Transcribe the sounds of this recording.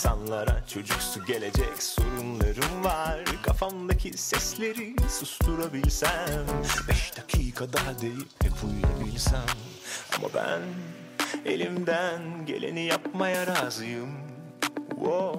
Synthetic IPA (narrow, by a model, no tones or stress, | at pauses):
sanlˠaɾat͡ʃʰo̞d͡ʒuksuɟe̞lʲe̞d͡ʒɛcso̞ɾunlˠaɾɯmvaɾkʰafamd̪acʰisɛslʲe̞ɾisɯsdt̪uɾabilʲsæmbɛʃd̪akʰiːkʰad̪ad̪ejipɛbʰujlˠa̰bilʲsæn | a̰ma̰bæ̰n | e̞̰lʲimd̪ænɟe̞̰lʲʔe̞̰nijap̚majaɾazɯjɯm | wo